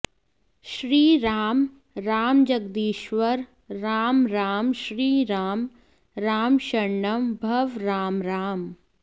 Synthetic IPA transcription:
ʃɾiːɾaːm | ɾaːmd͡ʒɐɡ̚d̪iːʃʋəɾː | aːmɾaːmʃɾiːɾaːm | ɾaːmʃɐɳːɐmbʱɐʋɾaːmɾaːm

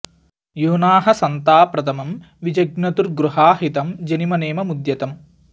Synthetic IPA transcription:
juːnaːɦɐsɐnt̪aːpɾɐt̪ʰɐmɐm | ʋid͡ʒɐɡnɐt̪uɾɡɾuɦaːɦit̪ɐmd͡ʒɐnimɐneːmɐmud̪jɐt̪ɐm

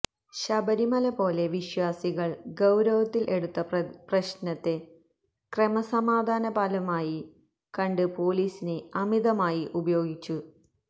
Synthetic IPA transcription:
ɕɐbɐɾimɐlɐpo̞ːle̞ʋiɕwaːsiɣɐɭɡɐwɾɐʋɐt̪ːilʔe̞ɽut̪ːɐprɐɕnɐt̪ːe̞ | kremɐsɐmaːd̪ʱaːnɐpaːlɐmaːji | kɐɳɖɨpo̞ːliːsineɐmid̪ɐmaːjiʔubɐjo̞ːɡit͡ɕːu

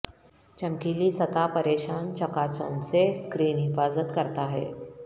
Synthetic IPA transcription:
t͡ʃɐmkiːlisɐt̪apɐɾeːʃaːnt͡ʃɐkaːt͡soːnseskɾiːnɦɪfaːzət̪kɐɾt̪aɦɛ̰ː

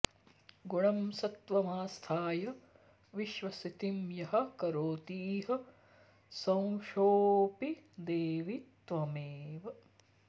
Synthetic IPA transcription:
ɡuɳɐmsɐt̪ʋɐmaːst̪ʰaːjɐ | ʋiʃʋɐsit̪imjɐɦɐ̆kɐɾoːt̪iːɦɐ | sɐ̃w̃ʃoːpid̪eːʋit̪ʋɐmeːʋɐ

